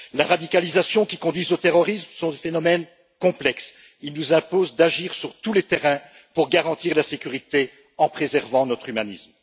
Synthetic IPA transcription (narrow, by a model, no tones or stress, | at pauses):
laʁad̪ikalizasjɔ̃kʲikɔ̃d̪ɥizot̪eʁɔʁismsɔ̃d̪efenɔmɛn | kɔ̃plɛks | ilnuzɛ̃pozd̪aʒiʁsyʁt̪ulet̪eʁɛ̃ | puʁɡaʁɑ̃t̪iʁlasekʲyʁit̪e | ɑ̃pχezɛʁvɑ̃nɔt̪χymanism